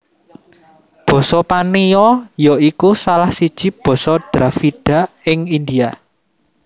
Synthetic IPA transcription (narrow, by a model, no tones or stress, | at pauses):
b̥ɔ̤sɔpanijɔjɔikusalahsid̥ʒ̥i̤b̥ɔ̤sɔd̪̥ɾafid̥ä̤ɪŋind̪ia